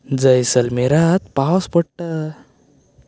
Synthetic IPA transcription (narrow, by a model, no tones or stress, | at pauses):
d͡zəjsəlmeɾat̪̚pawspəɽ̚ʈa